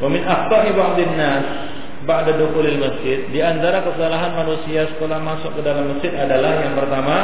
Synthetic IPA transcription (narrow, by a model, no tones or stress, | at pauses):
wamɪnʔaft̪aʔibaʕd̪ˤanːas | baʕdad̪uxulalməsd͡ʒɪd̪̚diant̪aɾakəsalaɦanmanusiasə̥kolahmasʊkkədalamːəsd͡ʒɪd̪adalahjaŋpərt̪ama